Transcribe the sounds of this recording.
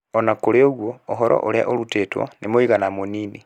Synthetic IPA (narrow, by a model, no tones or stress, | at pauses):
onakoɾeoɣwoːɦɔɾɔ̰ʔoɾa̰ʔoɾutetwo̰nʔemoiɣanamonini